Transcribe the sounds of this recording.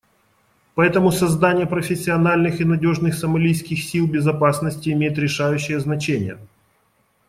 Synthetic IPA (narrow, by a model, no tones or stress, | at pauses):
pɐɛt̪əmʊsɐzd̪anʲɪjəpɾəfʲɪsʲːɪɐnalʲnɨxɪnɐdʲo̞ʐnɨxsɐmɐlʲijskʲɪxsʲilˠbʲɪzɐpasnəsʲtʲɪːmʲejɪt̪ɾʲɪʂajʉɕːɪjəznɐt͡ɕenʲɪ̰jə̰